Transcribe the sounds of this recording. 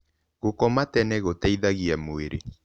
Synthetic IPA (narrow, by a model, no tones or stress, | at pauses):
ɣokɔmatɛnɛɣotɛiðaɣiamweɾḛ